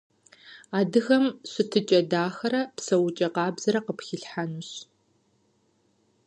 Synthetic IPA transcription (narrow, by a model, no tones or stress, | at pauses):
aːdɨɣɐmɕʷɪtʰɨt͡ʃʼɐdaːxɐɾɐpsɐwʊt͡ʃʼɐqɑːbzɐɾɐqəpxiɬħanuɕ